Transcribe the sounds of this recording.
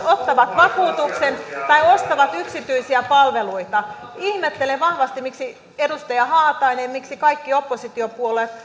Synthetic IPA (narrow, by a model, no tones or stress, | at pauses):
ot̪ːɑʋɑt̪ʋɑkuːt̪uksent̪ɑiost̪ɑʋɑt̪yksit̪yisiæpɑlʋeluit̪ɑihmet̪ːeleʋɑhʋɑst̪imiksi | edust̪ɑjɑhɑːt̪ɑinemmiksikɑikːio̞pːosit̪iopuole